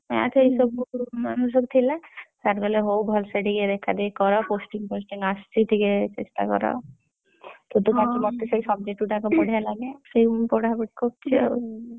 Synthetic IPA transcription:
a̰t̪ʰejsɔbnus̬ok̚t̪ʰilasaɾɡɔleɦowbʱɔlseɖiɡeɾekʰad̪ikɔɾɔposʈiŋposʈiŋast̪ʰit̪iket͡ʃḛsʈa̰kɔ̰ɾɔ̰ | t̪ut̪ukakimɔt̪ːesejsɔbd͡ʒeʈuʈakopoɽ̤ʱialaɡesejpɔɽabeʈkokt͡ʃʰe

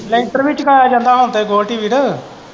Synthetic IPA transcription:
lɛʈɾʋit͡ʃkaːjaːd͡ʒãːnd̪aːɦõːnt̪eɡoːlʈiːʋiɽə

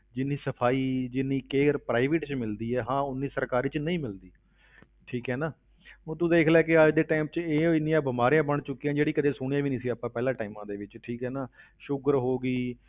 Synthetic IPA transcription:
d͡ʒɪnːiːsəpʰaːiːd͡ʒɪnːiːkeːɾpɾaːɪʋɪʈt͡ʃmɪld̪iːɛːɦãːʊnːĩːsəɾkaːɾiːt͡ʃnəĩːmɪld̪iː | ʈʰiːkɦɛːnãː | t̪̬ũːd̪eːkʰlaːkɪaːd͡ʒd̪eːʈaːɪmt͡ʃeːɪnːijãːbɪmaːɾijãːbəɳt͡ʃʊkːiːãːd͡ʒeːɽiːkəd̪eːsʊɽ̃ijãːʋiːnĩːsiːaːpãːpɛːlãːʈaːɪmãːd̪eːʋɪt͡ʃʈʰiːkɦɛːnãː | ʃʊɡəɾɦoːɡiː

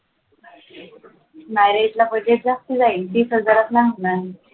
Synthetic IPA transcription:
maɾed͡ʑlapəd͡ʑeʈd͡zast̪id͡zait̪iːsəd͡zaɾat̪laŋɡna

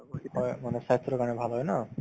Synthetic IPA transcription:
ɦɔemaneʃaɦit̪ːɾokanebʱaloɦɔena

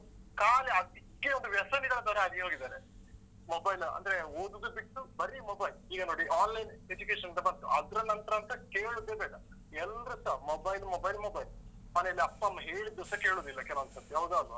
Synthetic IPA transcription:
kaːleɐd̪ikːeond̪uʋjɐsɐnid̪ɐnɐd̪ɐːɾɐɐnioːɡid̪aːɾe | mobɐjlɐ̰nd̪ɐɾeoːd̪d̪ubiʈːubɐɾimobɐjliːɡɐnoːɽiʔaːnlɐjned͡ʒukeːʂɐnd̪ɐbɐnʈ̪uʔɐd̪ɾɐnɐnt̪ɾɐːnt̪ɐkeːɭud̪ːeːbeːkɐ | ɛlɾusɐmobɐjlmobɐjlmobɐjl | mɐneɐlːiɐpːɐɐmːɐɦeːɭid̪ːusɐke̞ːɭoːd̪ilːɐkɛlɐʋɐnt̪ɐt̪ːjaːʋd̪uɐd̪u

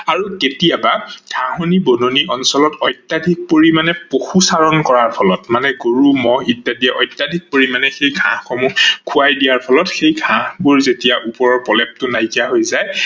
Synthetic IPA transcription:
aɹuketiabaɡʱãɦonibononiʔɔnsɔlɔtɔjtːadʱik̚poɹimanɛpoxusaɹɔnkɔɹaɹpʰɔlɔtmanɛɡoɹumɔitːadiɛʔɔjtːadʱik̚poɹimanɛxejɡʱã̰hxɔmukʰuajdijaɹpʰɔlɔtxejɡʱãhbuɹzetijaʔupɔɹɔɹpɔlɛp̚tʊnajkiaɦojzaj

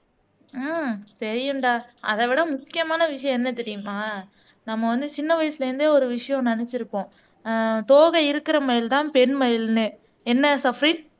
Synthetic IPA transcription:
t̪ɛɾɪjɯɳɖaːɐ̰ðɐʋɪɽɐmʊkːɪjɐmaːnɐʋɪʂɐjɔ̃ɛnːɐt̪ɛɾɪjɯmaː | nɐmːɐʋɐnd̪ɯt͡ʃɪnːɐʋɐjɐsɪlɐɾɯnd̪eːɔɾɯʋɪʂɐjɔ̃nɐnɛt͡ʃːɪɾɯpːõː | t̪oːɣɐɪɾɯkːɪɾɐmɐjɪlt̪ãːpɛɳmɐjɪlnɯ | ɛnːɐsɐfɾiːʈ

